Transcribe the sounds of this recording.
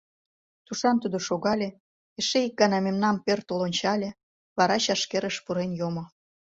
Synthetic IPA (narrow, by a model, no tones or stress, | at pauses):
t̪uʃɑnt̪ud̪oʃoɣɑlʲe | eʃeik̚ɡɑnɑmemnɑmpert̪olonʲt͡ɕɑlʲe | βɑɾɑɕɑʃkeɾəʃpuɾenjomo